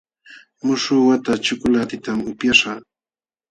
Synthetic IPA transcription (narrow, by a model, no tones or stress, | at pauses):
mʊʃʊwat̪at͡ʃʊkʊlat̪ɪt̪amʊpjaʃa